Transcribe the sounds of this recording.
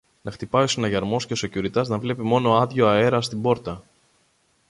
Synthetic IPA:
nɐxt̪ipɐosinɐʝɐɾmo̞sceosocuɾit̪ɐznɐvle̞pimo̞no̞ɐðʝo̞ɐe̞ɾɐst̪ibo̞ɾt̪ɐ

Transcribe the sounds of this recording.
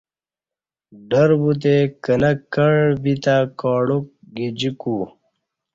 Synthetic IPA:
ɖɐɾbut̪̬ekɐnɐkɐɻbit̪akɔːɽok̚ | ɡid͡ʑiku

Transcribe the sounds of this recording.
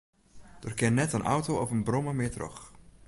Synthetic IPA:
d̥orkɪnnɛtənʔɔ̰wtowɔfənbrɔməmɪːɹtrø̰χ

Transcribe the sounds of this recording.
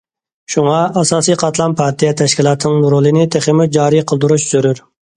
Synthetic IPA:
ʃuŋɑɑsɑːsijqʰɑt̪lˠɑnpʰɑɾt̪ʰijɛt̪ʰɛʃkʲilˠɑːt̪ʰɨnɨŋnuɾolˠɨnɪt̪ʰeχɪmud͡ʒɑːɾijqʰəlˠd̪uɾuʃsyɾyɾ

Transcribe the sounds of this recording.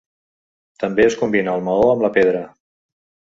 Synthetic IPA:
t̪əmbeəskumbinəːlˠməoəmləpeð̞ɾə

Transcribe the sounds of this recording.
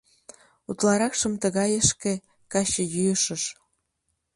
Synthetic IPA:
ut̪lɑɾɑkʃə̆mt̪əɣɑjəʃke | kɑɕəjyjəʃəʃ

